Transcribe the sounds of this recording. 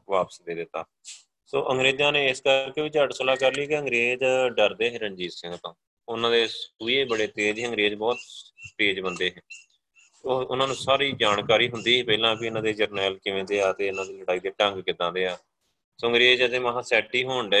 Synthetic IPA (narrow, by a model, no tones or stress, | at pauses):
ʋaːpə̥sd̪eːd̪ɪt̪ːa̰ː | soːʔəŋɡɾeːd͡ʒãːneːɪskəkeːʋɪt͡ʃəʈsəlaːkəɾliːkeə̃ŋɡɾeːd͡ʒɖəɾd̪eːɦeːɾənd͡ʒiːsɪ̃ŋɡt̪õː | ʊnãːd̪eːpuːeːbəɽeːt̪eːd͡ʒɦːəŋɡɾeːd͡ʒbɔːt̪ʈeːd͡ʒbənd̪eːɦɛ̃ː | oːʊnãːnũːsaːɾiːd͡ʒaːnkaːɾiːɦʊnd̪iːpɛːlãːbiɪnãːd̪eːd͡ʒəɾnɛːlkɪʋẽːd̪eːaːt̪eːʊnãːd̪iːləɽaːiːt̪eːʈə̃ŋɡkɪd̪ãːd̪eːaː | soːə̃ŋɡɾeːd͡ʒəd̪ẽːmaɦãːsɛːʈːiːɦoːɳɖeː